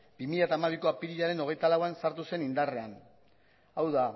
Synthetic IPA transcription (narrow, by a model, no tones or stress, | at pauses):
bimiʎat̪aːmaβ̞iko̞apiɾiʎaɾe̞no̞ɣ̞e̞jt̪alawansaɾt̪use̞nind̪are̞an | awða